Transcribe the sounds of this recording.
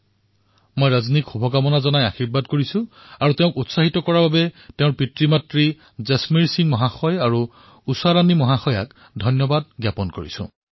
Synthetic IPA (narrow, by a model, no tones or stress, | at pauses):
mojɹaznikxubʱɔɡamɔnazɔnajaxiɹbadkoɹisʊ̃ | aɹuteʊ̃kutsaɦitɔkɔɹababɛteʊ̃ɹpitɹimatɹi | zɛsmiɹsiŋmɔɦaxɔjaɹu | usaɹanimɔɦaxɔja̰k | dʱɔjnjɔbad̚ɡjapɔnkoɹḭsʊ̰̃